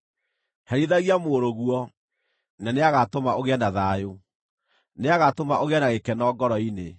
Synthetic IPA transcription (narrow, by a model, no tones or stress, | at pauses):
hɛɾiðaɣiamoɾoɣwɔ | naneaɣatomaʔoɣeɛnaðajo | neaɣatomaʔoɣeanaɣekɛnɔɡɔɾɔine